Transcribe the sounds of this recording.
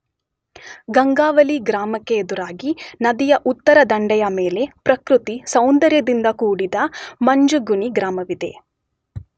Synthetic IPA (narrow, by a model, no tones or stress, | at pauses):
ɡɐŋɡaːʋɐliɡɾaːmɐkːeːd̪uɾaːɡinɐd̪ijɐʔut̪ːɐɾɐd̪ɐɳɖɛjɐmeːle̞pɾɐkɾut̪isɐwnd̪ɐɾjɐd̪ind̪ɐkuːɽid̪ɐmɐɲd͡ʒuɡuɳiɡɾaːmɐʋid̪e̞̰